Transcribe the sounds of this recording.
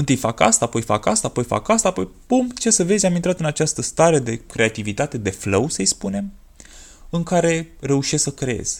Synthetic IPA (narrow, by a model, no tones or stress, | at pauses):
ɨnt̪ɨjʲfaka̰st̪aːpo̞jfa̰ka̰st̪aːpo̞jfa̰kast̪aːpo̞jpumt͡ʃesəve̞zʲamint̪ɾat̪ɨnat͡ʃast̪əst̪aɾe̞d̪e̞kɾe̞at̪ivit̪at̪e̞d̪e̞fləwsəjspune̞m | ɨŋkaɾe̞re̞uʃesksəkɾee̞̰z̥ʲ